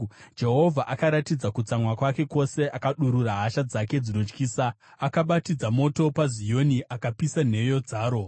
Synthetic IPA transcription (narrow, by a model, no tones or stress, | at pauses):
d͡ʒe̞ɦo̞vʱaʔakaɾatid͡zakut͡samwakwake̞ko̞se̞ʔakaɗuɾuraɦaʃad͡zake̞d͡zino̞t͡ʃkiːsa | akaɓatid͡zamo̞to̞pazijo̞niʔakapisan̤e̞jo̞d͡zaːɾo̞